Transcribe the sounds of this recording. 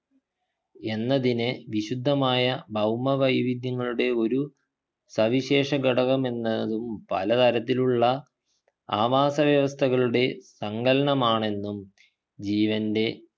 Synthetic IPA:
e̞nːɐðinɨʋiɕud̪ʱːɐmaːjɐbʱɐwmɐʋɐjʋid̪jɐŋːɐɭuɽe̞o̞ɾu | sɐʋiɕe̞ːʂɐɡɐɽɐɣɐme̞nːɐðumpɐlɐt̪ɐɾɐt̪ːiluɭːɐ | aːʋaːsɐʋjɐʋɐst̪ʰɐɣɐɭuɽe̞sɐŋɡɐlɐɳɐmaːɳe̞nːum | d͡ʑiːʋɐnde̞

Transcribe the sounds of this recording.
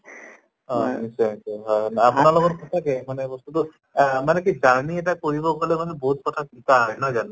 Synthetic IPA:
ɔ̃nisɛnisɛɦɔjnapunalɔɡɔtkɔtʰakɛmanɛbɔst̪utʊ | manek̬izaɹniɛt̬akoɹibɔkalɛmanɛbɔɦut̪̚kɔtʰakitajnazan

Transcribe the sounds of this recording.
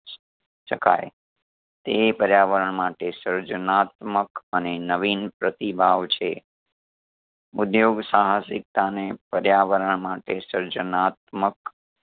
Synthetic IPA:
ʃəka̰j | t̪epəɾjaʋəɾəɳmaʈesəɾd͡ʒənat̪məkənenəʋinpɾət̪ibʱaʋt͡ʃʰe | ud̪joɡsaɦasɪk̚t̪anepəɾjaʋəɾəɳmaʈesəɾd͡ʒənat̪̚mək

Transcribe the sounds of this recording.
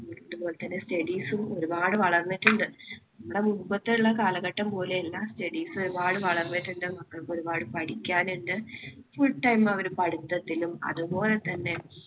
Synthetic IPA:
uɳɖɨpoːlet̪ɐnːe̞stɐɽiːsumo̞ɾubaːɽɨʋɐɭɐrnːiʈːuɳɖɨnɐmːuɽe̞muupːɐt̪ːeuɭːɐkaːlɐɣɐʈːɐmpo̞ːleelːaːstɐɽiːsɨoɾubaːɽɨʋɐɭɐrnːiʈːuɳɖɨmɐkːɐɭkːo̞ɾubaːɽɨpɐɽikʲːaːneɳɖɨfuɭʈːɐjmɐʋɐɾupɐɽit̪ːɐt̪ːilumɐ̰ðupo̞ːle̞t̪ɐnːe̞

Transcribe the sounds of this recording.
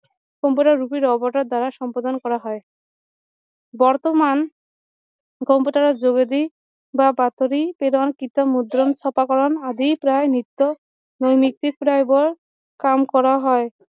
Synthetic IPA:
ɡ̥ʱɔmpoʈaɾɾupiɾɔboɾʈaɾd̪aɾaʃɔmpad̪onkɔɾaɦɔe | bɔɾt̪oman | ɡʱɔmpoʈaɾad͡ʑoɡed̪i | babat̪oɾipeɾankit̪amud̪ɾont͡ɕʰɔpakɔɾonad̪ipɾaenit̪ːo | nojmik̚t̪ik̚pɾajbɔɾ | kamkɔɾaɦɔe

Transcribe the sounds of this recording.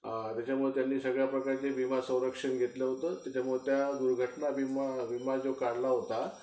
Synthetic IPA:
t̪jat͡ɕamuɭet̪janːiːsəɡɭjapɾəkaɾt͡ɕeʋimasə̃w̃ɾəkʂənɡʱet̪ləɦot̪əːt̪jat͡ɕamuɭet̪jad̪uɾɡʱəʈnabʱimaʋimad͡zokaɽlaɦot̪a

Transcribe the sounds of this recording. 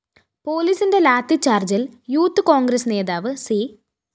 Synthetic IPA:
po̞ːliːsinde̞laːt̪ːit͡ɕːaːrd͡ʑiljuːt̪ːɨkoːŋɡɾɐsne̞ːðaːʋɨsi

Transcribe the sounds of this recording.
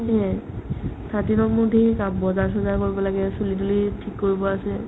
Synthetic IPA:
ɦɛ | tʰatinɔkmudʱikambɔzaɹs̬ɔzakoɹibɔlaɡɛsulidulitʰikːoɹibɔasɛ

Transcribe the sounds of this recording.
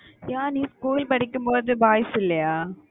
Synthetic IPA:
jaːniːskuːlpɐɽɪkːɯmpoːðɯbaːjɐsɪlːɐjaː

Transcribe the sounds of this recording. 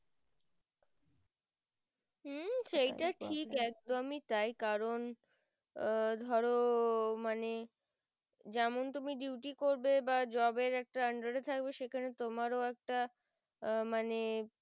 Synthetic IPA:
m̩ʃejʈaʈʰikɛk̚d̪omit̪ajkaɾon | d̪ʱɔɾomane | d͡ʑɛmont̪umiɖiwʈikoɾbebad͡ʑɔbeɾɛk̚ʈaəɳɖaɾet̪ʰak̚beʃekʰanet̪omaɾoɛk̚ʈa | mane

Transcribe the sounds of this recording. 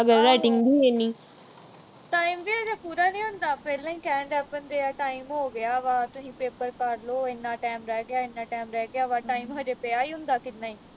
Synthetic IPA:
əɡəɾːɛːʈɪŋɡd̪iːeːniː | ʈaːiːmʋiːɦəd͡ʒaːpuːɾaːnĩːɦʊnd̪aːpɛːlãːĩːkɛːəɳɖɛːpənd̪eːaːʈaːimɦoːɡɪaːʋaːt̪ʊsĩːpeːpəɾkəɾloːɪnːãːʈɛːmɾɛːɡɪaːɪnːãːʈɛːmɾɛːɡɪaːʋaːʈaːimɦəd͡ʒeːpeːaːiːɦʊ̃nd̪aːkɪnːaːiː

